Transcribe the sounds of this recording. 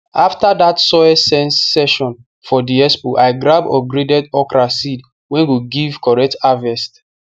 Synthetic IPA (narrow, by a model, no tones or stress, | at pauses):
aftadatsɔɛsɛ̃nssɛʃɔ̃n | fɔdiɛspuʔaɪɡɹabɔ̰ɡɹedɛdɔkɹasid | wɛ̃nwuɡiv̥kɔɹɛk̚tavɛst